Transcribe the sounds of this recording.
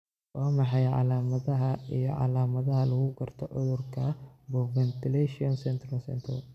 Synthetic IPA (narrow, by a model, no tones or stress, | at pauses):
wɑːmɑħɑjʕɑ̰laːmɐðɐɦɐijɔʕɑ̰laːmɐðɐɦɐlɐɣʊɡɐrt̪ʰɔʕʊ̰ðʊrkʰɐbɔvɛnt̪ɪlɛʃɪɔnsɛnt̪ɾɐlsɛ̰nt̪ʰɐ̰l